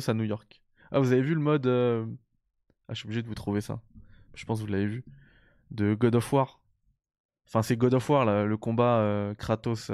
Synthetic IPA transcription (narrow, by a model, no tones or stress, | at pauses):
sanujɔʁk | a̰vuzavevyləmɔd̪ø | a̰ʃyobliʒed̪əvut̪χuvesa̰ʒ̥ə̥pɑ̃s̬vulːavevy | d̪əɡɔd̪ɔfwaʁ | ɑ̃fɛ̃sɛɡɔd̪ɔfwaʁlaləkɔ̃baøkχat̪os